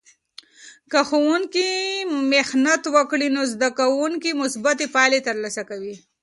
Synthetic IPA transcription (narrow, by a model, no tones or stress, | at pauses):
kaxowuŋkimexnat̪wəkɽinozd̪akawuŋkimʊsbat̪epɑlet̪əɾlasakawi